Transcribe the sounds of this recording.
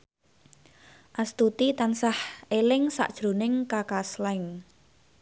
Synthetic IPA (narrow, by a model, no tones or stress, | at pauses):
ʔast̪ut̪it̪ansahʔelɪŋsa̰ʔd̥ʒ̥ɾo̤nɪŋkakaslɛŋ